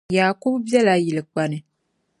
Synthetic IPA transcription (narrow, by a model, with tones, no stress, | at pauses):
jaː˨kʊ˦bbɛ˦la˦ji˨lɨ˨k͡pa˨nɨ˨